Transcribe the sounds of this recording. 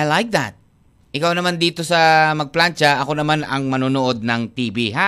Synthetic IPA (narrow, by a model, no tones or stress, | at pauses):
lajk̚ða̰t̪̚ | ʔɪkawnɐmand̪iːt̪o̞sɐmɐɡ̚plant͡ʃɐʔɐko̞nɐmanɐŋmɐnuːnoʔo̞d̪̚nɐŋt̪iːbiɦa